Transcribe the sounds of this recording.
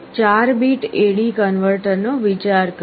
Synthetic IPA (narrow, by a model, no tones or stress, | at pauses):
t͡ʃaɾbiʈeɽikənʋəɾʈəɾnoʋit͡ʃaɾk